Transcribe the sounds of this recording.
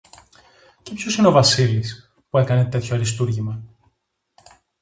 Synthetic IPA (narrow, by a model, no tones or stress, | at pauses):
cepço̞sineo̞vɐsilis | pue̞kɐne̞t̪e̞t̪çoɐɾist̪uɾʝimɐ